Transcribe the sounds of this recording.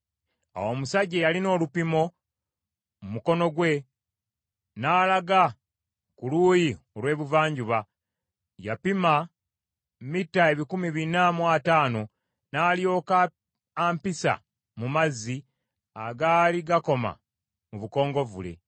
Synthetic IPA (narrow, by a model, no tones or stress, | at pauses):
a̰wo̞musaɟejalino̞ːlupimo̞ | mumuko̞no̞ɡwe̞ | naːlaɡa | kuluːjio̞lwe̞ːβuvaːɲɟuβa | japima | mitːae̞βikumiβinamwataːno̞ | naːljo̞ːka | aːmpisa̰ | mumazːi | aɡaːliɡako̞ma̰ | muβuko̞ːŋɡo̞vule̞̰